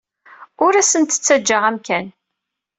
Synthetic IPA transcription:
ʊɾæsənt̪ə̥t͡sːæd͡ʒːəʁæmkæn

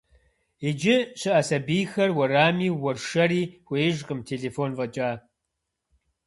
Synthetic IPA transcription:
ed͡ʒɪɕɨʔɐsɐbijxɐrwɐɾaːmiːwɔrʃɐɾiːxʷeːʒqʼəmtʰeːɮeːfoːnvɐt͡ʃʼaː

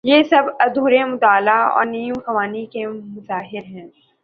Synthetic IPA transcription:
jeːsɐbɐd̪ʱuːɾẽmʊt̪aːlaɔ̰ːɾniːjũmxɐʋaːnikemʊzaːɦɪɾɦɛ̃ː

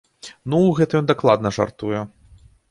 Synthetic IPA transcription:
nuɣɛt̪ɐjɔnd̪aklˠad̪nɐʐa̰rt̪ujɛ

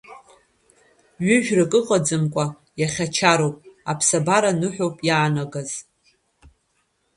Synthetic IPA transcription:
ɥʏʒᶣrɨkʼɨqʼad͡zɨmkʷʼa | jaχʲat͡ʃʰaɾowpʼapʰsabaɾanɨħʷᶣowpʼjaːnaɡaz̥

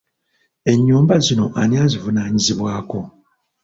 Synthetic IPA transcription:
e̞ɲːuːmbazino̞ʔaniazivunaːɲiziβwaːko̞

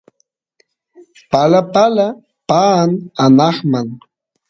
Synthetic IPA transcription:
palapala | paːnanɑχmaŋ

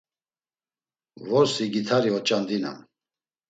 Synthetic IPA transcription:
vɔɾsiɡit̪ʰaɾiɔt͡ʃʼand̪ina̰m

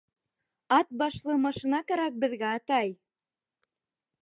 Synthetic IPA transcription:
ɑt̪̚bɑʃlˠɤmɑʃinɑkæɾæk̚bɘ̆ðɡæɑt̪ɑj

